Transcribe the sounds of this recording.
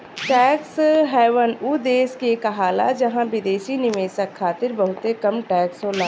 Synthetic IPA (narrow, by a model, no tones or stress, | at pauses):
ʈɛːksɦɛːʋənud̪eːskekaɦaːla̰d͡ʒɐɦãbɪd̪eːʃinɪʋeːsəkʰːaːt̪ɪɾbɐɦʊt̪ekɐmʈɛːksɦolaː